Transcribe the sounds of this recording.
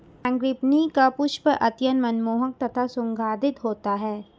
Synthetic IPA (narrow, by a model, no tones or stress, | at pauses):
ãŋɡɾɪpnikapʊʃpəʔɐt̪jənmɐnmoːɦək̚t̪ɐt̪ʰasʊ̃ŋɡʱaːd̪ɪt̪ɦoːt̪aɦɛː